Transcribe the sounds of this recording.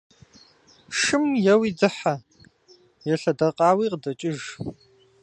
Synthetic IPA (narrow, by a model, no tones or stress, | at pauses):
ʂɨmjɐwiːd͡zɨħa | jɛɬɐdɐqʼaːwiːqədɐt͡ʃʼɪʒ